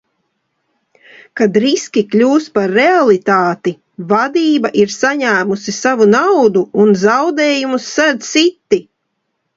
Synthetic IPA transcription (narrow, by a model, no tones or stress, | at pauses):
kad̪ɾiskʲiklʲuːspaɾːealˠit̪aːt̪i | vad̪iːbaʔiɾsaɲæːmusisavunawd̪uːnzawd̪eːjumusːæd̪sit̪ːi